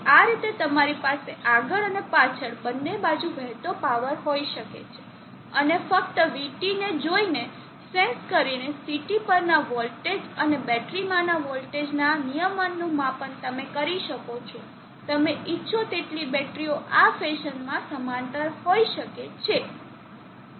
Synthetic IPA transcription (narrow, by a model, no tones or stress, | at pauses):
aɾit̪et̪əmaɾipaseaɡəɭənepat͡ʃʰəɽbənːebad͡ʒuʋɛɦt̪opaʋəɾɦoiʃəkḛt͡ʃʰe̥ | ənefəkt̪əʋiʈined͡ʒoine | sẽnskəɾinesiʈipəɾnaʋɔlʈed͡ʒənebɛʈɾimãnaʋɔlʈed͡ʒnanijəmənːũmãpəɳt̪əmekəɾiʃəkot͡ʃʰɔ | t̪əmeʔitːʃʰot̪eʈlibɛʈɾioʔafeʃənmãsəmãnt̪əɾɦoiʃəket͡ʃʰe